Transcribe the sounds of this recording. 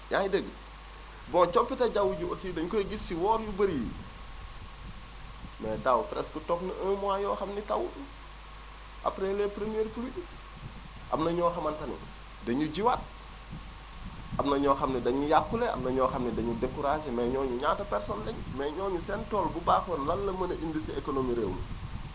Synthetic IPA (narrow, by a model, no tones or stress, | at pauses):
jajidəɡə | bɔ̃t͡ʃɔpːitɐɟawuɟuosiːdɐɲukojɡisːiwɔːɾjubəɾi | mɛːdawpɾɛskutɔpnɐʔəːmuwajɔːxɐmnitɐwutu | ʔa̰pɾelepɾemieːɾpuluɟu | ʔɐ̰mnɐɲɔːxɐmɐntɐnḭ | dɐɲuɟiwat̚ | ʔɐmnɐɲɔːxɐmnidɐɲujakːuleʔɐ̰mnɐɲɔːxɐmnidɐɲudekuɾaʃemɛːɲɔːɲuɲaːtɐpɛɾsɔnlɛɲmɛːɲɔːɲusɛntɔːlbubaːxonlɐlːɐmɐnɐʔindisiekonomiɾeːwlu